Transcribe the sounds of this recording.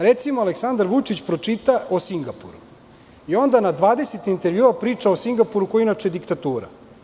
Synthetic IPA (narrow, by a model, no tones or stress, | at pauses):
ɾet̪simoaleksand̪aɾʋut͡ʃit͡ɕpɾo̞t͡ʂit̪aosiŋɡapṵɾu | io̞nd̪anad̪ʋaːd̪e̞set̪int̪e̞ɾʋjuːapɾiːt͡ʂaosiŋɡapuɾukojinat͡ʃjed̪ikt̪at̪uːɾa̰